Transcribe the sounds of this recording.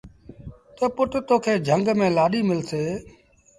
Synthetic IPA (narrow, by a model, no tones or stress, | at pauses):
t̪əpʊʈt̪oːkʰeːd͡ʒʱəŋɡmẽːlaːɗiːmɪlseː